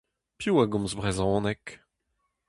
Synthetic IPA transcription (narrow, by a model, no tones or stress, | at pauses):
pjuaɡɔ̃mzbʁɛzɔ̃ːnɛk